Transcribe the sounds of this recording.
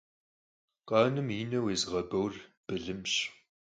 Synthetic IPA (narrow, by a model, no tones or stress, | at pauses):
qʼɑːnɨmiːnɐweːzʁɐbɐwrb̥ɨɮɨmɕ